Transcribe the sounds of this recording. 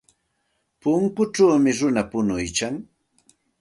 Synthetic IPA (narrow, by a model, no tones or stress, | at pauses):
pʊŋkʊʈ͡ʂawmɪɾʊnapʊnʊjkaŋ